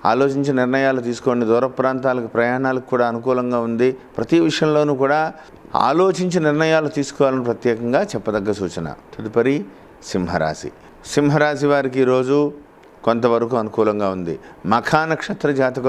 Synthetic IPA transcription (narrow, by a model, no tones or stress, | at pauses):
a̰ːlo̞ːt͡ʃiɲt͡ʃɐniɾnɐjaːlut̪̬iːsu̥koːnid̪ɔːɾɐpɾaːnt̪aːlɐkupɾɐjaːɳaːlɐki̥kːuːɽaːɐnukuːlɐŋɡaːund̪ipɾɐt̪iʋiʂɐjɐmlo̞ːnuːkuːɽaː | a̰ːlo̞ːt͡ʃiɲt͡ʃiniɾnɐjaːlut̪iːsu̥kɔːʋaːlɐnipɾɐt̪jɛːkɐŋɡaːt͡ʃɛpːɐd̪ɐɡːɐɾɐsuːt͡ʃɐnɐ̰t̪ʰɐd̪upɐɾi | simɦɐɾa̰ːsḭ | simɦɐɾaːs̬iʋaːɾik̬iːɾo̞ːd͡ʒu | kont̪ɐʋɐɾɐkuɐnukuːlɐŋɡaːund̪ḭmɐkʰaːnɐkʂɐt̪ɾɐd͡ʒaːt̪ɐkɐ